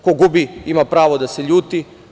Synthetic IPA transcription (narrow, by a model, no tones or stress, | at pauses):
koɡubiimapɾaːʋo̞d̪ase̞ʎuːt̪i